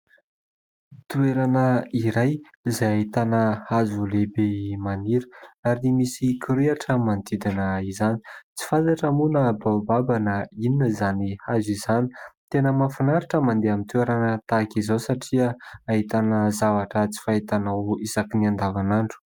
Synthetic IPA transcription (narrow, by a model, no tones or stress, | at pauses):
t̪ueɾanəiɾaj | izajaɦit̪anəhazulebemaniɾəaɾimisikʰiɾeaʈ͡ʂəmand̪id̪inəizani̥t͡si̥fat̪aʈ͡ʂamunəbawbabanəininəizanihazizani̥t̪enəmafinaɾaʈ͡ʂəmand̪eamint̪ueɾanət̪akizawsaʈ͡ʂiəaɦit̪anəzavaʈ͡ʂət͡si̥faɦit̪anawizakiniand̪avanaɳɖ͡ʐu̥